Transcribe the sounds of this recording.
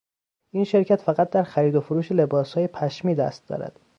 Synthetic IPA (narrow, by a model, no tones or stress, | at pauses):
ʔinʃe̞ɾcʰæt̪fæɣæt̪̚d̪æɾxæɾiːd̪ofoɾuːʃele̞bɒːshɒːjepʰæʃmiːd̪æ̰st̪̚d̪ɒ̰ːɾæ̰d̪̥